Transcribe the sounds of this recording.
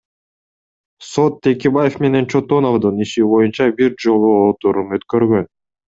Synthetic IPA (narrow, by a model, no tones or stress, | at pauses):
so̞t̪ːʰe̞kʲebajefme̞ne̞nt͡ʃʰo̞t̪o̞no̞vd̪ɯniʃiβo̞junt͡ʃɑbiɾd͡ʒo̞lˠuot̪uɾumøt̪kø̞ɾɡø̞n